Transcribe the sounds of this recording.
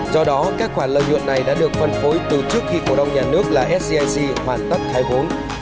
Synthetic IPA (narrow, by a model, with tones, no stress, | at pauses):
zɔ˧ɗɔ˨˦kaː˦˥k̚xwaː˧˩lə̰ː˧˨jɲw̰ənːa˨˩jɗa̰ː˧˥ɗɨ˨˩ək̚fə˨˩nfo˨˦jt̪ɨ˨˩t͡ɕɨ˦˥ək̚xi˧ko˧˩ɗa˧wŋ͡mɲaː˨˩nɨ˦˥ək̚laː˨˩ʔɛ˦˥t̚si˧ʔa˧jsi˧hwaː˨˩nt̪ə˦˥p̚t̪ʰaː˨˦jɦo˨˦n